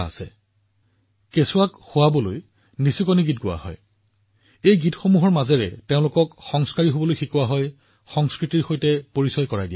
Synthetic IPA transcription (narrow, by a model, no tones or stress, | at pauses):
a̰sɛ̰ | kesʊakxʊwabɔlo̰j | nisikoniɡitɡʊwa̰ɦɔ̰j | ejɡitxomuɦɔɹmazɛɹɛ̰teʊ̃lʊkɔkxɔŋskaɹiɦobɔlojxikʊwaɦɔj | xɔŋskɹitiɹxojtɛpoɹisɔjkɔɹajdiɛ